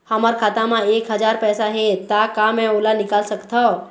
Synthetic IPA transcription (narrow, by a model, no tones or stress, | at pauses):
həmaɾkʰat̪ãmãekɦəd͡ʒaɾpɛːsaɦet̪akamɛ̃olanɪkalsəkt̪ʰa